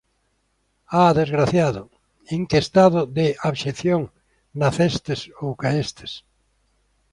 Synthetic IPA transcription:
aðezɣɾaθjaðʊ | eŋkest̪aðʊðeʔaβʃeθjoŋ | naθest̪esowkaest̪e̥s

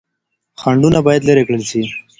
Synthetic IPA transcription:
xɐɳɖunabaːjɐd̪ləɾekɽəlsi

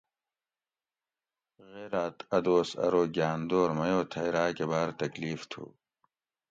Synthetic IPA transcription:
ɣeːɾaːt̪ɐd̪oːsɐ̰ɾoːɡjaːnd̪oːɾmɐjoːt̪ʰɐjɾaːkebaːɾt̪ɐkliːft̪ʰṵː

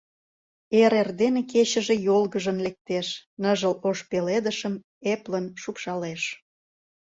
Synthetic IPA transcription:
eɾerd̪eneket͡ɕə̆ʒejolɣəʒənlek̚t̪eʃnəʒəloʃpeled̪əʃəm | eplənʃupʃɑleʃ

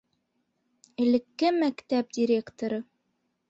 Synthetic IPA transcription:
ɘ̆lɘ̆kːɘmækt̪æp̚dʲiɾʲe̞kt̪oɾɤ

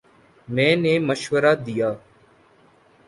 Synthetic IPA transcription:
mɛ̃ːneːməʃʋəɾaːd̪ɪjaː

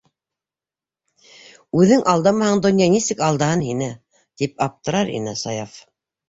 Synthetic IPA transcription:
ʉðɘŋʔɑlˠd̪ɑmɑhɑɴd̪ŏnjɑnisɘkɑlˠd̪ɑhɤnhinɘ | t̪ip̚ɑp̚t̪ɤ̆ɾɑɾḭnɘsɑjɑf

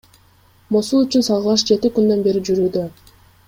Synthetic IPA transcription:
mosulˠyt͡ʃynsɑlˠʁəlˠɑʃd͡ʒe̞t̪ikynd̪ø̞nbe̞ɾid͡ʒyɾyːd̪ø

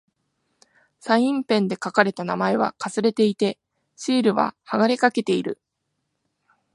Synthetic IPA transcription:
saĩmpẽ̞nd̪e̞kakaɾe̞t̪anamae̞β̞a̰kasɨɾe̞t̪e̞it̪e̞ | ɕiːɾɯ̟βa̰haɡaɾekake̞t̪e̞iɾɯ̟̰

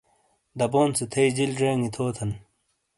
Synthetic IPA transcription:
d̪ɐboːnsut̪ʰɐid͡ʑild͡ʑeːŋit̪ʰoːt̪ʰɐn

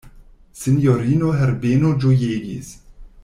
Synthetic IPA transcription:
sinjoɾinoɦɛɾbenod͡ʒojeːɡḭs

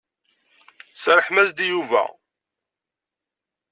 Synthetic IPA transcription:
səɾəħmæzd̪ijuvæ̰

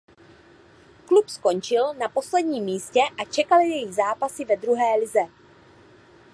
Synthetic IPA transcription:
klupsko̞nt͡ʃɪlnapo̞slɛdɲiːmːiːscɛʔat͡ʃɛkalɪjɛjizaːpasɪvɛd̪ɾuɦɛːlɪzɛ

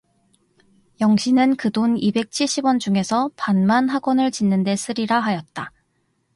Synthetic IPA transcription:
jʌŋɕʰinɯnkɯdonibe̞k̚t͡ɕʰiɭɕ͈ibwʌnd͡ʑuŋe̞sʰʌpanmanɦaɡwʌnɯɭt͡ɕinːɯnde̞s͈ɯɾiɾaɦajʌt̚t͈a

